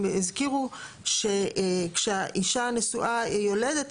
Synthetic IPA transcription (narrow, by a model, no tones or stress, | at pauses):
izkiʁu | ʃekʃeaʔiʃanesuʔajoledet̪